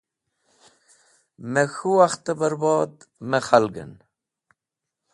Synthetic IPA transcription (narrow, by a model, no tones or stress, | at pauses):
mexuaxt̪ebəɾboːd̪meχalɡə̰n